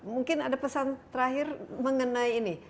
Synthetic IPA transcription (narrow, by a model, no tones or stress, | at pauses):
muŋkɪnadapəsant̪əɾaɦɪrməŋənaiːni